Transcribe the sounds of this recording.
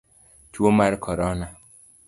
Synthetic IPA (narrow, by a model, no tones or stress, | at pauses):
t͡ʃuomaɾkʰɔɾɔna